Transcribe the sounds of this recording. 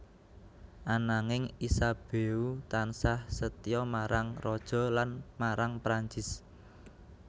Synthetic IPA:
ʔanaŋɪŋisab̥e̤ut̪ansahsət̪ijɔmaɾʔaŋrɔd̥ʒ̥ɔ̤lanmaɾaŋpɾaɲt͡ʃɪs

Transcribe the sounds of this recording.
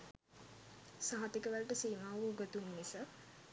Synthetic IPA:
saɦɐt̪ikəʋælʈəsiːmaːʋəuɡət̪unːisə

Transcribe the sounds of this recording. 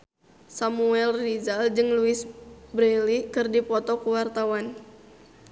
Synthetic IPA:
samuɛlrid͡ʒald͡ʒɨŋluɪsbɾɛlikɨrdipɔt̪ɔkuwart̪awan

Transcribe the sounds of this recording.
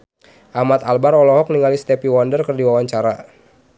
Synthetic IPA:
ʔahmat̪albaɾɔlɔɦɔk̚niŋalist̪ɛpiwɔndərkərdiwawaɲt͡ʃaɾa

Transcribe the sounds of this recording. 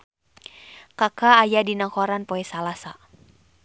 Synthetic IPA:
kakaːjadinakɔɾanpɔɛsalasa

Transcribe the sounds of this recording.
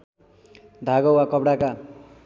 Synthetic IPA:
d̪ʱaɡʌwwakʌbɽaka

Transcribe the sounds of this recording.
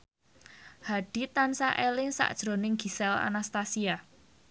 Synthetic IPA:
haɖ̥i̤t̪ansaʔelɪŋsa̰ʔd̥ʒ̥ɾonɪŋɡ̥i̤sɛla̰nast̪asia

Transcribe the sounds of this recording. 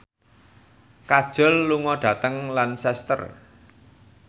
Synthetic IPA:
kad̥ʒ̥ɔ̤lːuŋɔɖ̥ä̤t̪əŋlansɛst̪ə̰r

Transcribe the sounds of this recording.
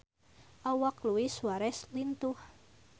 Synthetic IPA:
ʔɔwakluwisuaɾɛslint̪uh

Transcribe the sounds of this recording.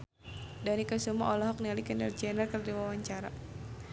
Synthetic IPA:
danikasumaʔɔlɔɦɔk̚nialikɛndard͡ʒɛnɛrkərdiwawaɲt͡ʃaɾa̰

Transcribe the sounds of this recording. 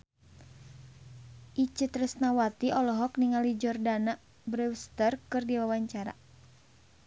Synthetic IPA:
ʔit͡ʃɨt̪rəsnawat̪iʔɔlɔɦɔkniŋalid͡ʒɔrdana | bɾɛwst̪ərkɨrdiwawaɲt͡ʃaɾa̰

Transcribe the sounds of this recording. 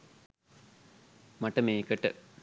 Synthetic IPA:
mɐʈəmeːkəʈə̰

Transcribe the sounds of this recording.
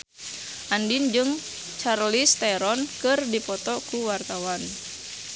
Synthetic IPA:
ʔandind͡ʒɨŋ | t͡ʃarlist̪ɛɾɔnkɨrdipɔt̪ɔkuwart̪awan

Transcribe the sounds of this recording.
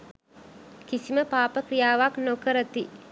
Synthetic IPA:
kisiməpaːpəkrijaːʋaknokəɾət̪i

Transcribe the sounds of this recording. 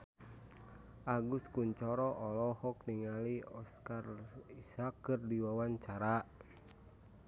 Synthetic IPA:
ʔaɡuskuɲt͡ʃɔɾɔʔɔlɔhɔk̚niŋaliɔskarisakːɨrdiwawaɲt͡ʃaɾa

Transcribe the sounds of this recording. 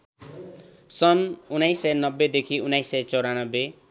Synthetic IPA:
sʌnunajsːʌjnʌbːed̪ekʰiunajsːʌjt͡sʌwɾanʌbːe

